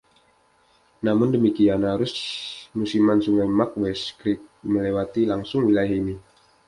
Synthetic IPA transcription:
namʊndəmikianhaɾʊsmusimansuŋajmak̚wɛskɾik̚məlewat̪ilaŋsʊŋwilajaɦini

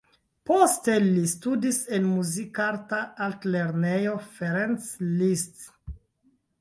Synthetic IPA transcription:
poste̞listudisenmuzikaɾtaaltleɾnejo̞feɾenslist

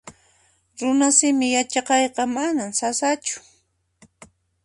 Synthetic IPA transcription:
ɾʊnasɪmɪjat͡ʃɑqɑjqɑmanamsasat͡ʃʊ̥

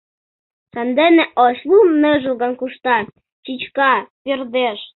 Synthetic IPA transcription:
ʃɑnd̪eneʔoʃlumə̆ʒuɣɑnkuʃt̪ɑ | t͡ɕit͡ɕkɑperd̪eʃ

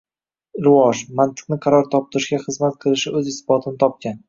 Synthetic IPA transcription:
ɾɪvɒʒmant̪ʰɨ̥q̚nɪqʰɑɾɒɾt̪ʰɒp̚t̪ʰɪɾɪʃɡʲaχɨzmat̪̚qʰɨlˠɪʃɪɵzɪsbɒt̪ʰɪnɪt̪ʰɒp̚kʲan

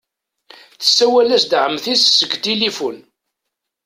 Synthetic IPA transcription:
θə̥sːæwælæsd̪ʕəmːθisːəɡt̪ilifun

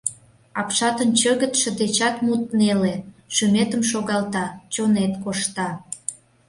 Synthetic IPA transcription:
ɑpʃɑt̪ə̆nt͡ɕə̆ɣə̆t̪ʃə̆d̪et͡ɕɑt̪mut̪neleʃymet̪əmʃoɣɑlt̪ɑt͡ɕonet̪koʃt̪ɑ

